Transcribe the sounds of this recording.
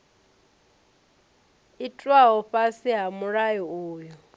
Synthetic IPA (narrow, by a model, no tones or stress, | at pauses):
itʼwaɦɔɸasiɦamuɺajɔoːjɔ